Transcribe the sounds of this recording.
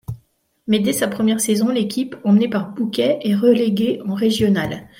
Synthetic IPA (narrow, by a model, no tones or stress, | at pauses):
mɛd̪ɛsapχəmjɛʁsezɔ̃lekʲipɑ̃mnepaʁbukʲɛʔɛʁəleɡʲeɑ̃ʁeʒjɔnal